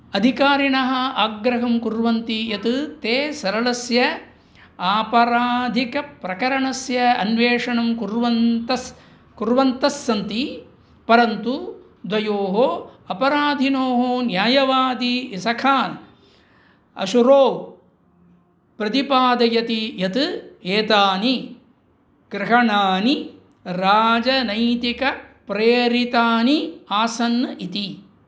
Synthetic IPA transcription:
ɐd̪ʱikaːɾiɳɐɦɐaːɡɾɐɦɐmkuɾʋɐnt̪ijɐt̪ɨt̪eːsɐɾɐlɐsjɐ | aːpɐɾaːd̪ʱikɐpɾɐkɐɾɐɳɐsjɐɐnʋeːʂɐɳɐmkuɾʋɐnt̪ɐs | kuɾʋɐnt̪ɐsːɐnt̪i | pɐɾɐnt̪u | d̪ʱʋɐjoːɦoːɐpɐɾaːd̪ʱinoːɦoːnjaːjɐʋaːd̪iisɐkʰaːn | ɐ̰ʃuɾoːw | pɾɐt̪ipaːd̪ɐjɐt̪ijɐt̪ɨeːt̪aːni | ɡɾɪɦɐɳaːni | ɾaːd͡ʒɐnɐjt̪ikɐpɾeːɾit̪aːniaːsɐnːɐʔit̪i

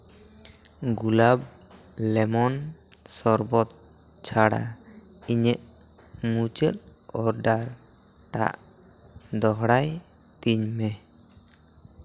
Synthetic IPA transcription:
ɡulab̚ | lɛmɔn | sɔɾbɔt̪̚ | t͡ʃʰaɽa̰ | iɲɛʔ | mut͡ʃɛt̪̚ɔɾɖaɾ | ʈa̰ʔ | d̪ɔɦɽaj | t̪iɲmɛ

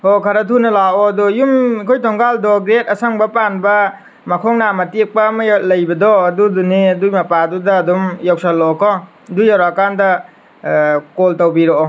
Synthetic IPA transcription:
hokʰaɾɐtʰunɐlaɔdɔjumikʰojtʰɔŋɡaldɔɡɾet̚ɐsaŋbɐpanbɐ | makʰɔŋnamɐtik̚paːmɐlɐjbɐdɔɐduduniɐdujmɐpadudɐːdumjawsalɔkʰɔ | dujawɾakandɐ | koltɐwbiɾɔː

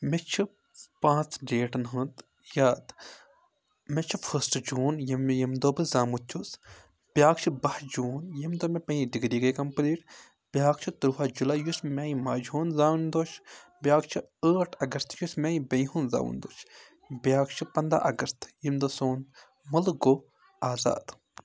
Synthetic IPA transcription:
met͡ʃʰi | pãːt͡sɖeːʈnɦunt̪ | jaːt̪ | met͡ʃʰifʰəːsʈd͡ʒuːnjimjɐmd̪oːbɨzaːmut̪ʲʰːus | b̥ʲjaːkt͡ʃʰibɐhd͡ʒuːnjimd̪oːmepɐ̃iɖiɡɾiːɡɐjkɐmpliːʈ | b̥ʲjaːkt͡ʃʰit̪uɾfaːd͡ʒulaːjusmʲaːjĩmaːd͡ʒɦoːnzaːnd̪oːt͡ʃʰbʲjaːkt͡ʃʰiəːʈʰɐɡɐst̪jusmãːjĩbɐ̃jɦuːnza̰ːwṵnd̪o̰ːt͡ʃʰ | bjaːkt͡ʃʰipɐnd̪ɾa̰ʔɐɡɐst̪jimd̪oːsoːn | mulɡoː | aːza̰ːd̪̥

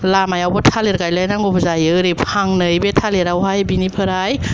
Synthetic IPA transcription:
lamajawbɔtʰaleɾɡajlajnaŋɡopʰzajɯɾipʰaŋnɯjbetʰaleɾawɦajbinipʰɯɾaj

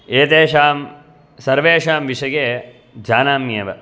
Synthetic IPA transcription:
eːt̪eːʃaːm | sɐɾʋeːʃaːmʋiʂɐɡeː | d͡ʒaːnaːmːiɐʋɐ

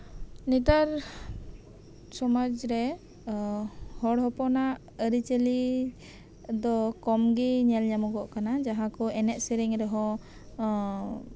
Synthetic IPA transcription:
nit̪aɾ | sɔmad͡ʒɾɛ | hɔɽɦɔpɔnaʔ | əɾit͡ʃəli | d̪ɔkɔmɡiɲɛlɲamɔɡɔʔkanad͡ʒaɦãkɔɛnɛt̪̚səɾiŋɾɛɦɔ̃

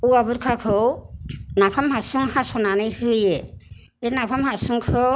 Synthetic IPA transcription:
uabɯɾkʰakʰɯwnapʰamhasuŋhasɔnanɯjhɯje | enapʰamhasuŋkʰɯ

